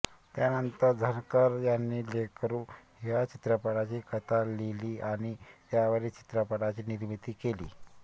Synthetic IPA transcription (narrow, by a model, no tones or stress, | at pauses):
t̪janənt̪əɾd͡zʱənkəɾjanːiːlekəɾuːɦɦjat͡ɕit̪ɾəpəɽat͡ɕiːkət̪ʰaleliːʔaɽ̃it̪jaʋəɾiːt͡ɕi̥t̪ɾəpəɽat͡ɕiːniɾmit̪iːkelḭː